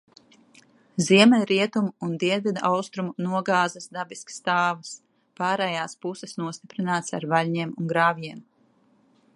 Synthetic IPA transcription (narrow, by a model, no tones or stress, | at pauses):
ziɛmɛnɾiɛt̪umuːnd̪iɛnvʲid̪aʔawst̪ɾumunuɔɡaːzɐsd̪abiskst̪aːvɐs | paːɾɛjaːspusɛsnuɔst̪ipɾinaːt̪sa̰ɾvalʲɲiɛmunɡɾaːvjiɛm